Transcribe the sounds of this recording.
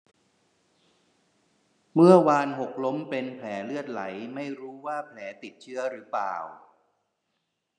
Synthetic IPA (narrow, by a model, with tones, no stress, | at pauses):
mɯ˥˩əwaː˧nɦo˨˩k̚lo˦˥mpe˧npʰlɛː˩˦lɯ˥˩ət̪̚la̰˩˦jma˥˩jɾuː˦˥waː˥˩pʰlɛː˩˦t̪i˨˩t̪̚t͡ɕʰɯ˦˥ɐɾɯː˩˦pla̰ː˨˩w